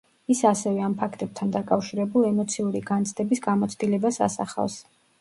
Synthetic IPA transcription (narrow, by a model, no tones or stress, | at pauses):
isasɛvɛampʰakʰt̪ʼɛb̚t̪ʰand̪akʼafʃiɾɛbulˠɛmɔt̪sʰiuɾiɡant̪sʰd̪ɛbisɡamɔt̪sʰd̪ilɛbasa̰sa̰χa̰vs